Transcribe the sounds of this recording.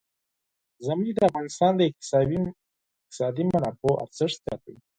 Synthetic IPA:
zamuɡd̪əafɣɑnɪst̪ɑnd̪əɪq̚t̪ɪ̥i | qt̪ɪ̥sɑd̪imanɑpoʔa̰ɾt͡səʂzjɑ̰t̪əj

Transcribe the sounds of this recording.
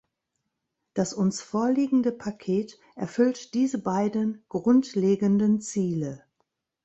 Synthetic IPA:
d̥asʔʊnsfoːɐliːɡŋ̩dəpʰakʰeːt | ʔɛɐfʏltd̥iːzəbaɪdənɡ̥ʁʊntleːɡəndənt͡siːlə

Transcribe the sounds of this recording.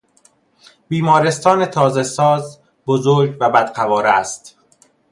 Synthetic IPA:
b̥iːmɒːɾe̞st̪ɒːne̞t̪ʰɒːzesɒːz | bozoːɾɟvæbæd̪ɢævɒːɾæst̪

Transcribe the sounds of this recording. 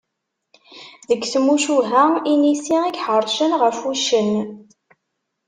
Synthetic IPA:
ðəkːθəmːuʃuɦæinisiikħəɾˤʃənʁəɾfuʃən

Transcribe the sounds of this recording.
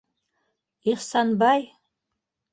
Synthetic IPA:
iχsanbaj

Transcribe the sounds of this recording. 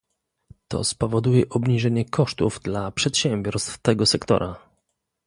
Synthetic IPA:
t̪ɔ̰spɔvɔd̪ujɛʔɔbɲiʐɛɲɛkʰɔʂt̪uvd̪lapʂɛt̪ɕɛmʲbʲɔɾst̪ft̪ɛɡɔsɛkt̪ɔ̰ɾʔa

